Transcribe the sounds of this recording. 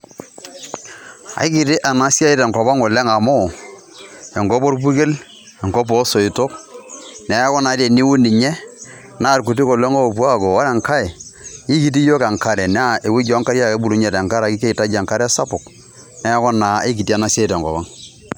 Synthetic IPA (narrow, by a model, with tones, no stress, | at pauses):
a̰˨ɪ˦kɪ˨tɪ˦ʔa˨na˦sja˦i˦tɛ˨ŋkɔ˨ba˦ŋɔ˨le˦ŋa˨mo˦˨ | ɛ˨ŋɡo˦po˦ɾp̬u˦ke˦l | ɛ˨ŋkɔ˦p̬o˦so˨ɪ˨to˦knɛ˨˦kɔ˦na˨˦ɾe˨ni˦wu˦ni˨ɲɛ˦ | na˦˨ɾku˨t̬i˦ko˨le˦ŋo˦˨pu˦a˦˨ko˨wa˦ɾɛ˨ŋka˦ɛ˨i˦ki˨t̬i˦jo˦ka˨ŋka˦ɾɛ˨n˦a˦˨ʔe˨wu˦d͡ʒɔ˨˦ŋka˦ɾja˦ke˦bu˦ɾu˦ɲe˨tɛ˨ŋka˦ɾa˨ki˦ke˦i˨ta˦d͡ʒa˨ŋka˦ɾɛ˦sa˦pʊ˨k | nɛ˦kɔ˦naː˨e˦ki˨ti˦a˨na˦sja˦i˨tɛ˨ŋkɔ̰˨ba˦ŋ